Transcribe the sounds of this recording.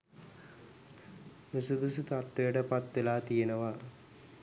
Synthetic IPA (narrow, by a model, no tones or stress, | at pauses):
nusud̪usut̪at̪ʋejəʈəpat̪ʋelaːt̪ijenɐʋa